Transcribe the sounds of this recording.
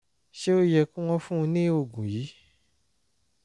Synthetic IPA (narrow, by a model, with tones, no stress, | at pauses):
ʃe˦o˦jɛ˧kũ˦w̃ɔ̃˧fũ˦˧nĩ˦o˧˨ɡũ˨ji˨˦